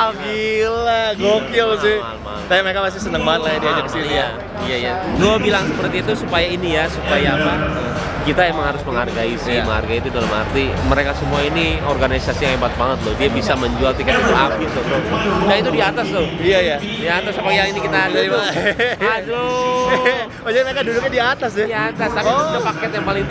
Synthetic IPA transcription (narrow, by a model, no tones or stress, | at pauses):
aɡilaɡokasɪalma̰t̪ajaməɾekamas̬ɪhsənəŋbaat̪̚lajadiad͡ʒakkə̥sinia | ijaijaɡobilaŋsəpərt̪iːt̪usupajainijasupajaːpa | kit̪ajaməŋhaɾʊsməŋarɡaisɪhməŋa̰rɡait̪udalama̰rt̪i | məɾekasəmuainiorɡanisasijaŋemat̪̚baŋət̪̚lʊhdiabisaməɲd͡ʒualt̪ikat̪it̪uapɪt̪ʊt̪ʊhdait̪udiat̪ast̪ʊhiaja | diat̪asapajaŋinikit̪at̪aaad͡ʒu | od͡ʒaməɾekadudʊk̚ɲadiaːt̪asɛdiaat̪ast̪apɡapakɛt̪̚jaŋpalɪŋt̪